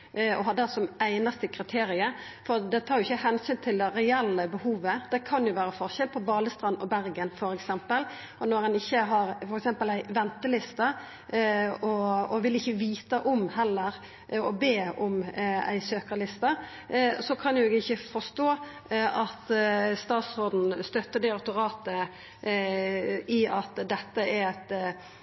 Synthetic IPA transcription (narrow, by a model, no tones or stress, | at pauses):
ɔɦɑd̪ɛsɔmæɪnɑst̪əkʰɾɪt̪ʰeːɾɪəɾ | fɔɾd̪ɛt̪ʰɑːɾjʊɪçəhɛnsyːnt̪ʰɪld̪ɛɾɛɛlːəbəhuːʋəd̪̥ɛkʰɑnjʊʋæːɾəfɔɾçɛlpʰɔbɑːləst̪ɾɑnːɔbæɾɡənfɔɾɛksɛmpəl | ʔɔnɔɾɛnɪçːəɦɑɾfɔɾɛksɛmpəlæɪʋɛnt̪əlɪst̪ɑ | ɔɔʋɪlɪçːəʋiːt̪ɑʔɔmhɛlːəɾ | ɔbeːɔmæ̰ɪsøːkəlɪst̪ɑ | sɔkʰɑnjʊeːɡɪçːəfɔʂt̪oː | ʔɑt̪st̪ɑːt̪sɾoːd̪n̩st̪œt̪ːəd̪ɛɑt̪ʊɾɑːt̪ə | ɪɑt̪d̪ɛt̪ːəæɾæt̪